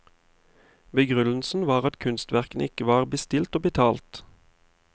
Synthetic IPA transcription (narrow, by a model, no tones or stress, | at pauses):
bəɡʁʉnl̩sn̩ʋɑːʁɑt̪kʰʉnst̪ʋæʁkən̩ʔɪkəʋɑːʁbəst̪ɪlt̪oːbət̪ʰɑːlt̪